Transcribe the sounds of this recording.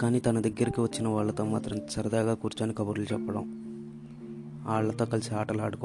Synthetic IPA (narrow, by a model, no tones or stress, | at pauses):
kaːniːt̪ɐnɐd̪ɐɡːɐɾikiʋɐt͡ʃːinɐʋaːɭːɐt̪o̞ːmaːt̪ɾɐmt͡ʃɐɾɐd̪aːɡaːkuːɾt͡ʃaːnikɐbɐɾulut͡ʃɛpːɐɽɐ̰m | aːɭːɐt̪o̞ːkɐlɐsiaːʈɐlaːɽukɔ